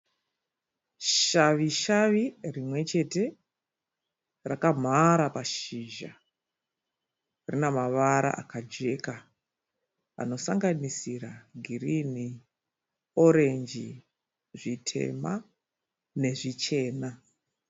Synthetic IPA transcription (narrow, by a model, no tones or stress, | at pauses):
ʃaʋiʃaʋirimwe̞t͡ʃe̞te̞ | rakam̤aɾapaʃiʒa̰ | rinamaʋaɾa̰ʔakad͡ʒe̞ka | a̰no̞saŋɡanisiraɡʱirini | o̞ɾe̞nd͡ʒi | ʐitʰe̞̰ma̰ | ne̞ʐit͡ʃe̞ːna